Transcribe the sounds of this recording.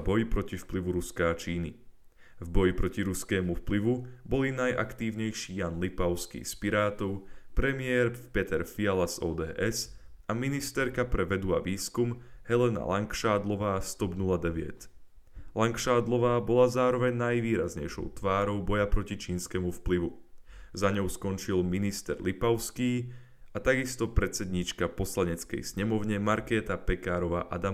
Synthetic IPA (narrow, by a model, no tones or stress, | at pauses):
bɔjpɾɔcifpliʋuɾuskaat͡ʃiːni | vbɔjipɾɔciɾuskɛːmufpliʋubɔlinajʔa̰kt̪iːʊɲɛjʃiːjanlipaʊskḭːspiɾaːt̪ɔʊpɾɛmɪɛːɾpɛt̪ɛɾfialazɔ̰ːd̪ɛːʔɛz | aminist̪ɛɾkapɾɛʋɛd̪ua̰ʋiːskumhɛlɛna̰laŋkʃaːd̪lɔʋaːst̪ɔbnulad̪ɛʋɪɛ̰t | laŋkʃaːd̪lɔʋaːbɔlazaːɾɔʋɛɲnajʋiːɾazɲɛ̰jʃɔ̰ʊt̪ʋaːɾɔʊbɔjapɾɔcit͡ʃiːnskɛmufpliʋuzaɲɔʊskɔnt͡ʃilminist̪ɛɾlipaʊskiː | at̪aɡist̪ɔpɾɛt͡sɛd̪ɲit͡ʃkapɔslaɲɛt͡skɛ̰jsɲɛmɔʊɲɛmaɾkɛːt̪apɛkaːɾɔʋa̰ːʔad̪am